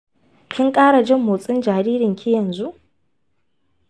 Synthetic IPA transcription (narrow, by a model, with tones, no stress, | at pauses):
kʲɪ˦ŋkʼaː˦ɽa˨d͡ʒɪ˦mːʊ˨sʼɪ˦nd͡ʒaː˨ɾiː˦ɾɪ˨ŋkʲi˦jɐ˨nzu˦ʔ